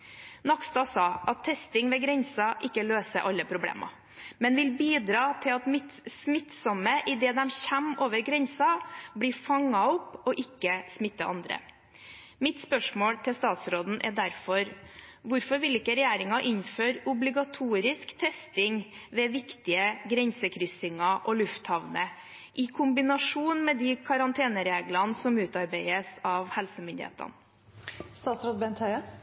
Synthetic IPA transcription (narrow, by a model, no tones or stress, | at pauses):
nɑkst̪ɑsɑːʔɑt̪ʰːɛst̪ɪŋʋɛɡɾɛnsɑʔɪkːəløːsəɾʔɑlːəpʰɾʊblḛːmʔɑ̰ | mɛnʋɪlbiːd̪ɾɑːt̪ʰɪlɑt̪mɪt̪smɪt̪sɔməʔɪd̪ɛːd̪ɛmçæmoːʋəɾɡɾɛnsɑbliːfɑŋɑɔpːɔʔɪkːəsmɪt̪ːəʔɑ̰nd̪ɾə̰ | mɪt̪spœʂmoːlt̪ʰɪlst̪ɑːt̪sɾoːd̪n̩ʔɛ̰ɾd̪æɾfɔɾʋʊɾfɔɾʋɪlɪkːəɾɛjæːɾɪŋɑʔɪnføːɾʊblɪɡɑt̪ʰuːɾɪskt̪ʰɛst̪ɪŋ | ʋɛʋɪkt̪ɪəɡɾɛnsəkʰɾʏsɪŋɑʔɔlʉft̪hɑʋnə | ʔɪkʰʊmbɪnɑʂuːnmɛd̪ɪkʰɑɾɑnt̪ʰeːnəɾeːɡlɑnsɔmʉːt̪ɑɾbæɪəsɑʋhɛlsəmʏnd̪ɪ̰ḛːt̪ə̰n | st̪ɑːt̪sɾoːd̪̚bɛnt̪ʰhœʏə